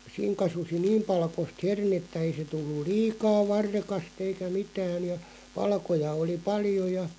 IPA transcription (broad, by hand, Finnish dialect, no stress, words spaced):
siːŋ kɑsusi niːm pɑlkost hernetːæ ei se tulːul̆ liːkɑː ʋɑrːekɑst eikæ mitæːn̞ jɑ pɑlkojɑ oli pɑljo jɑ